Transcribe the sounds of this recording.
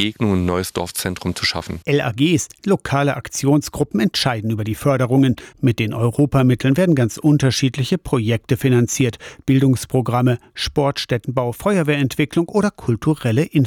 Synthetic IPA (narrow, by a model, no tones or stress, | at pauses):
eːɡnʊŋənnːɔʏəsd̥ɔ̰ɐft͡sɛntʁ̥ʊmt͡suʃa̰fn̩ʔɛla̰ːɡeːslokʰaːləʔakt͡sjoːnsɡ̥ʁʊpm̩ɛntʃaɪdn̩yːbɐdiːfœɐɾəʁ̞ʊŋənmɪt̚d̥eːnʔɔʏʁoːpamɪtʰl̩nveːɐdn̩ɡant͡sʔʊntɐʃiːtlɪçəpʁ̥ojɛk̚təfinant͡siːɐtb̥ɪldʊŋspʁ̥oɡʁaməʃpɔɐtʃtɛtn̩baʊfɔʏɐveːɐɛntv̥ɪklʊŋʔoːɾɐkʰʊltuʁɛləʔɪn